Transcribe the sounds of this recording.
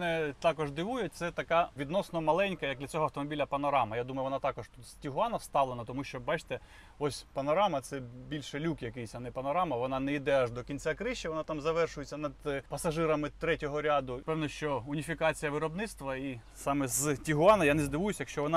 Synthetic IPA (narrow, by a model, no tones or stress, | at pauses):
nɛt̪ɑkɔʒd̪ɪʋujʊt̚ʲt̪sɛt̪ɐkɑʋʲid̪nɔsnɔmɐlˠɛnʲkɐjɐkd̪lʲɐt͡sʲɔɦɔɐwt̪ɔmɔbʲilʲɐpɐnɔɾɑmɐjad̪umɐjʊʋɔnɑt̪ɑkɔʃt̪ut̪sʲtʲiɦʊɑnɐwst̪ɑʋlˠenɐt̪ɔmuʃt͡ʃɔbɑt͡ʃt̪ɛ | ɔsʲpɐnɔɾɑmɐt̪sɛbʲilʲʃelʲukjɐkɪjsʲɐnɛpɐnɔɾɑmɐʋɔnɑnɛid̪ɛɑʒd̪ɔkʲinʲt͡sʲakɾɪʃt͡ʃːɐʋɔnɑt̪ɑmzɐʋɛrʃʊjet͡sʲːɐnɐd̪pɐsɐʒɪɾɐmɪt̪ɾɛtʲɔɦɔɾʲad̪ʊpɛwnɔʃt͡ʃɔʊnʲifʲikɑt͡sʲijɐʋɪɾɔbnɪt̪st̪ʋɐi | sɑmɛztʲiɦʊɑnɐjanɛzd̪ɪʋujʊsʲjɐkʃt͡ʃɔʋɔnɑ